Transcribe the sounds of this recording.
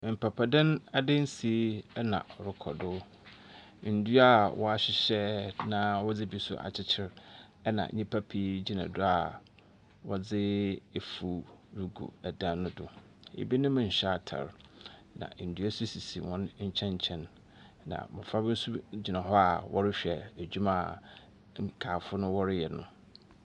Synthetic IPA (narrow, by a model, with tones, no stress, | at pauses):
m̩˨pʰa˨pʰa˨dɪ̃˦na˨dɪ̃˦n̩˦si˨˦ɛ˦nã̰˨ɔ˨ɾɪ˦kʰɔ̰˨dʊ˦ | n̩˨du˦a˦˨wɔ˦a˦ɕɪ˨ɕɛ˦nã˦wɔ˦d͡zɪ˦bi˦sʊ̰˦ʔa̰˨t͡ɕʰɪ˦t͡ɕʰɪ˦ɾ | ɛ˦nã̰˨ɲĩ˦pʰa˦pʰi˦d͡ʑi˦nã̰˨dʊ˦a˨ | wɔ˦d͡zɪ˦e˨fu˨ɾu˨ɡṵ˨ɛ˨dã˦nʊ̃˦dʊ˨ | ḛ˨bi˦nʊ̃˦mɪ̃˨ɲ̩˨ɕa˦tʰa̰˨ɾ | nã̰˨n̩˨du˦ɛ˦su˦si˨si˨wɔ̃˦n˦ɲ̩˦t͡ɕʰɛ̃˦ɲ̩˨t͡ɕʰɛ̃˦nː | ã̰˨bɛ˨fa˦bɪ˦n̩˦su˦d͡ʑi˨nã˨ɦɔ˦a̰˨wʔɔ̰˦ɾɪ˦ɕᶣɛ̰˨æ˨d͡ʑᶣu˦mã˨ | kʰaː˨fʊ˦nʊ̃˦wɔ˦ɾɪ˦jɛ˨nʊ̰̃˨